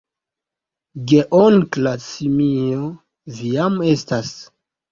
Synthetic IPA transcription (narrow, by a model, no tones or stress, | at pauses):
ɡeʔonklasimio | vijamestas